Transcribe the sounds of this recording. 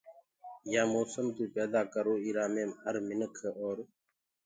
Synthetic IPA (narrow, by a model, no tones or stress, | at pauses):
jaːmoːsəmt̪uːpɛːd̪aːkəɾoːiːɾaːmẽːmɦəɾmɪnəkʰoːɾ